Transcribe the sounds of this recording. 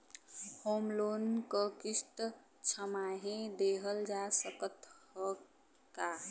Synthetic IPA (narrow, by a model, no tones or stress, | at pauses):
hoːmloːnkəkɪst̪ | t͡ʃʰəmaɦẽd̪eɦəld͡ʒasəkət̪ɦə | ka